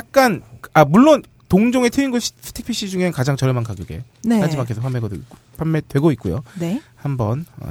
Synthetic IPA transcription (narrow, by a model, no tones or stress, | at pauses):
jak̚k͈anamuɭːon | toŋd͡ʑoŋe̞tʰeinɡʌsʰɯ̥tʰik̚pʰiɕ͈ʰid͡ʑuŋe̞kad͡ʑaŋt͡ɕʌɾemankaɡjoɡe̞̰ | nead͡ʑimakʰesʰopʰamːeɡadwḛik͈o | pʰwamːedwe̞ɡoit̚k͈ujo̰nehambʌnʌ̰